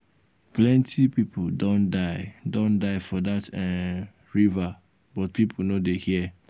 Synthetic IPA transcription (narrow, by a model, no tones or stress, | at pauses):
plɛ̃ntʰipipʰudɔ̃ndaɪdɔ̃ndaɪfɔdatɛ | ɹiva | bɔt̚pʰipʰonodehiɛ